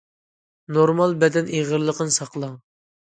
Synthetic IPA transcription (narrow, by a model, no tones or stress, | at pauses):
noɾmɑlˠbɛd̪ɛneʁəɾlˠəqənɨsɑqlˠɑŋ